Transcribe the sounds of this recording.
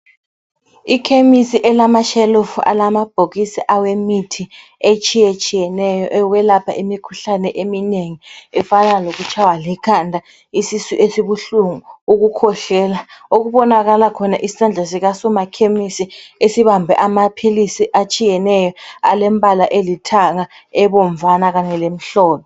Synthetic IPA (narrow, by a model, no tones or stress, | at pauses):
ikʰemisiʔɛlamaʃɛlofua̰lamab̥ʱok̬isiʔawemitʰi | et͡ʃʰʼijet͡ʃʰʼijɛnɛjɔʔɛwɛlapʰa̰ʔimikʰuɬanɛʔemineŋiɛfanalok̬ut͡ʃʰawalikʰandʱa | isisuʔesiɓuɬuŋuuk̬ukʰɔɬɛːlaok̬uɓɔnak̬alakʰɔnaʔisisand͡ɮʱasik̬asumakʰemisiesiɓambʱɛ̰ʔamapʰilisiʔat͡ʃʼijɛnɛjɔalɛmbʼʱalaʔelitʰaŋa | ɛɓɔɱvʱanak̬aɲɛlem̩ɬɔːlɔ